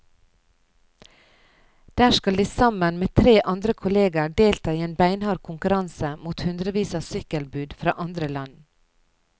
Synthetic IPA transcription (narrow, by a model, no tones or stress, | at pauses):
d̪̥æːʃkɑld̪iːsɑmənmeːt̪ʰɾeːʔɑnd̪ɾəkʰʊleːɡəɖeːlt̪ʰɑːiːeːnbæɪnhɑːɾkʰʊŋkʉɾɑnsəmuːt̪hʉnd̪ɾəʋiːsɑsʏkəlbʉːd̪fɾɑ̰ːʔɑnd̪ɾəlɑn